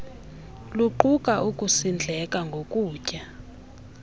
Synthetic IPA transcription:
luǃukʼaʔukʼusind͡ɮʱɛkʼaŋɡʱokʼuːcʼa

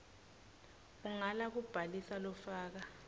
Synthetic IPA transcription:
uŋalak̬ub̥ʱalisalɔfaːk̬a

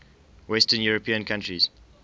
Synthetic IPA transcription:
wɛstənjuɹəpʰĩə̃nkʰãntɹiz̥

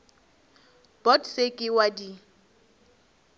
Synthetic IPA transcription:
b̥ɔdsekʼɪwadi

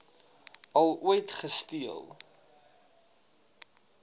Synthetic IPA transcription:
ɐlˠuəjtχəstiəlˠ

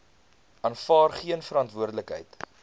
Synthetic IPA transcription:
ɑːnfɑːrχiənfəɾɐntvuərdələkɦə̰jt

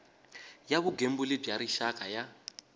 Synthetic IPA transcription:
jaβuɡembulib͡ʐjaɾiʃakʼaja

